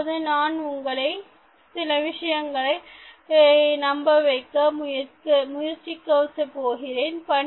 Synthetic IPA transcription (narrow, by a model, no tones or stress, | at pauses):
ðɯnaːnʊŋɡɐɭɐɪ | sɪlɐʋɪʂɐjɐŋɡɐɭɐɪ | nɐmbɐʋɐɪkːɐmʊjɐkɯmʊjɐɾt͡ʃːikːɐːsɐpːoːɣɪreːnpɐɳ